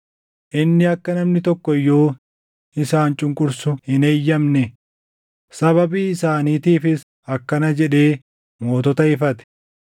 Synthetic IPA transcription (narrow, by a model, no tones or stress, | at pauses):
ʔɪnːɪɐkːɐnɐmnɪt̪ɔkːɔjːo̞ː | ɪsaːnt͡ʃʼʊŋkʼʊɾsʊhɪneːjːɐmnɛ | sɐβɐbiːɪsaːniːt̪iːfɪs | ɐkːɐnɐd͡ʒɛᶑe̞ː | mo̞ːt̪ɔt̪ɐɪfɐt̪ɛ̥